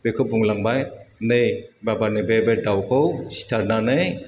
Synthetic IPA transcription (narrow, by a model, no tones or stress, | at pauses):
b̥ekʰɯbuŋlaŋbajnɯjbabanɯbebedawkʰɯwsi̥tʰaɾnanɯj